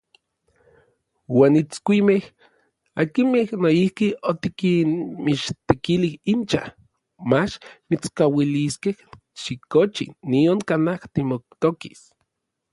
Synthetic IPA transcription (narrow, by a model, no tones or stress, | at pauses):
waːnit͡skʷimeh | akimehnoihkiot̪ikinmit͡ʃt̪ekilihint͡ʃa̰h | mat͡ʃmit͡skawiliskeh | ʃikot͡ʃḭːioŋkanaht̪imok̚t̪oki̥s